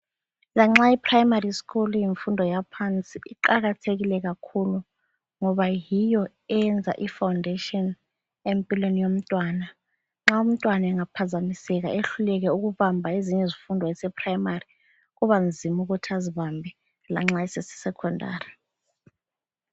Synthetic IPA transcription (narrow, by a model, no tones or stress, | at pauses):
laŋ͡ǁaipʰrajmariskʰulujiɱfundʱɔjapʰant͡sʼiʔiǃaɣ̬atʰek̬ilɛk̬akʰulu | ŋɔβajijɔ | ɛnd͡zʱa̰ʔifawndʱetʼiɔn | empʼilwenijom̩tʼwaːna | ŋ͡ǁaum̩tʼwanaɛŋapʰazamisɛk̬a̰ʔeɬulɛk̬ɛuk̬uβambʱaeziɲɛzifundʱɔɛsɛpʰrajmari | k̬uβand͡zʱimuk̬utʰiaziβambʱɛ | la̰ŋ͡ǁaisɛsi̥sɛkʰɔndʱa̰ːri